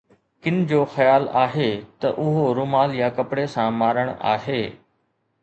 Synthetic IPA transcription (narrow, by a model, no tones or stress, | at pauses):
kɪn̆d͡ʑoːxɐjaːlaːɦeːt̪ɐʔʊɦoɾʊːmaːljakɐpɽesãmaːɾəɽ̃a̰ːɦeː